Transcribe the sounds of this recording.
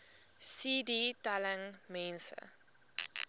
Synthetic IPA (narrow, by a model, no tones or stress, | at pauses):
siːditaləŋmɛ̃nsə̰